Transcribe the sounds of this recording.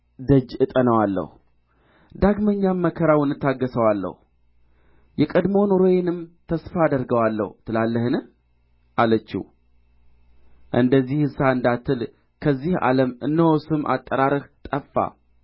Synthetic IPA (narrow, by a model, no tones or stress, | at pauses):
d̪əd͡ʒɨt̪ʼənəwalːə̰hu | d̪aɡməɲːamːəkʰəɾawnːɨt̪ʰːaɡːəsəwalːə̰hu | jɛkʼəd̪mo̞noɾojenɨmt̪ʰəsfaːd̪əɾɡəwalːə̰hut̪ʰɨlalːəhɨnɨh | ʔalət͡ʃːṵ | ʔɨ̰nd̪əzːihɨsaɨnd̪at̪ʰːɨl | kʰəzːiha̰ləmɨ̰nːəwosɨmʔa̰t̪ʼːəɾaɾɨht̪ʼəfːa̰